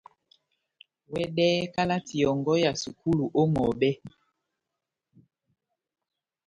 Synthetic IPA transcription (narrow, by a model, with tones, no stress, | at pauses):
wɛ˦dɛː˦ka˦la˦ti˨ɔ˨ŋɡɔ˦ja˨su˨ku˦lu˨ʔo˦ŋɔ˨bɛ˦